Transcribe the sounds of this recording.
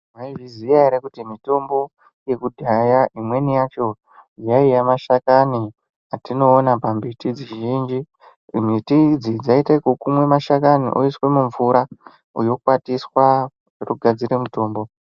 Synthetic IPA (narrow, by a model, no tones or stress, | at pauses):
maivizijaeɾekutimito̞mbo̞ | je̞kudʱajaʔimwe̞nijat͡ʃo̞ | jaijamaʃakani | atino̞ːnapambitid͡ziʒʒiːnd͡ʒi | mitid͡zid͡zaitakokumwe̞maʃakanḭʔoiswe̞muɱvuɾa | ujo̞kwatiswa | ruɡʱad͡ziɾemuto̞ːmbo̞